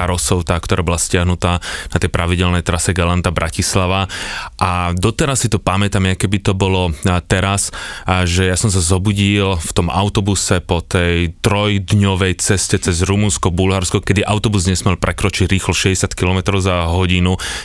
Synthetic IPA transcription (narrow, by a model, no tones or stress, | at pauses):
aɾɔsɔʊt̪aːkt̪ɔɾaːbɔlascɪaɦnut̪aːnat̪ɛjpɾʔaʋiɟɛlnɛjt̪ɾasɛɡalant̪abɾʔacislaʋaʔad̪ɔt̪ɛɾasːit̪ɔpamɛt̪amjakɛbit̪ɔbɔlɔt̪ɛɾasʒɛjasɔms̬azɔbuɟilft̪ɔma̰ʊt̪ɔbusɛpɔt̪ɛjt̪ɾɔjd̪ɲɔʋɛjt͡sɛscɛt͡sɛzɾumunskɔbulɦaɾskɔkɛd̪iʔaʊt̪ɔbuzɲɛsmiɛlpɾʔɛkɾɔt͡ʃiɟɾiːxlɔʃɛɟɛsjat̪kilɔmɛt̪ɾɔʊzaɦɔɟinu